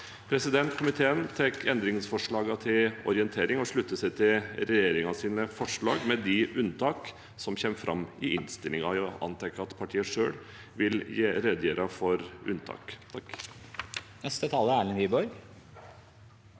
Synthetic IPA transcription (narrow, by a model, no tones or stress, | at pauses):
pʰɾɛsɪd̪ɛnt̪kʰʊmɪt̪ʰeːənt̪ʰɛkʰːɛnd̪ɾɪŋsfɔʂɭɑːɡɑt̪ʰɪlɔ̰ɾɪənt̪ʰeːɾɪŋɔʂɭʉt̪ːəsæɪt̪ʰɪlɾɛjeːɾɪŋɑsiːnəfɔʂɭɑːɡmɛd̪ɪʔʉnt̪ʰɑːk | sɔmçɛːmfɾʔɑ̰mɪʔɪnst̪ɪlɪŋɑɔʔɑ̰nt̪ʰɛkːəɑt̪pʰɑʈʰiːəʂøːɽ | ʋɪljeːɾɛd̪jeːɾʔɑfɔɾʉ̰nt̪ʰɑ̰ːkt̪ʰɑ | nɛst̪ət̪ʰɑːləæːɭɪnʋiːbɔɾ